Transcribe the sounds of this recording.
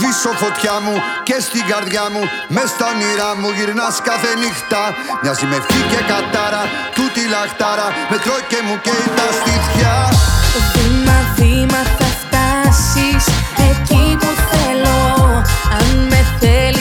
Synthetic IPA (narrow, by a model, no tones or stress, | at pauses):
ðisofot̪çɐmu | cest̪iɡɐɾðʝamu | mest̪ɐniɾɐmuʝiɾnɐskɐθenixt̪ɐ | ɲɐzimefficekɐt̪ɐɾɐ | t̪ut̪ilɐxt̪ɐɾɐmet̪ɾocːemuceit̪ɐst̪itçɐoθimɐθimɐθɐft̪ɐsisecit̪oθelo | ɐnmeθe